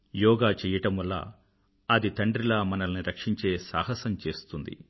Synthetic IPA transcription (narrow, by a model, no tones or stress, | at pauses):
jɔːɡaːt͡ʃɛːjɐʈɐmʋɐlːa̰ː | ɐd̪it̪ɐɳɖɾilaːmɐnɐlɐniɾɐkʂiɲt͡ʃe̞ːsa̰ːɦɐsɐmt͡ʃe̞ːst̪und̪ḭ